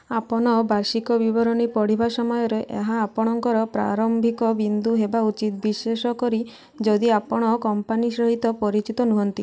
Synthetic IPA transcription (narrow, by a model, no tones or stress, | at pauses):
apɔɽ̃ɔbaɾsikɔbibɔɾɔnipɔɽ̤ibasɔmɔjɔɾeʔeɦaːpɔɽ̃ɔŋkɔɾɔpɾa̰ɾɔmbʱikɔbind̪uɦebaut͡ʃit̪̚biʃesɔkɔɾi | d͡ʒɔd̪iapɔɽ̃ɔkɔmpanisɾɔɦit̪ɔpɔɾit͡ʃit̪ɔnuɦɔnt̪i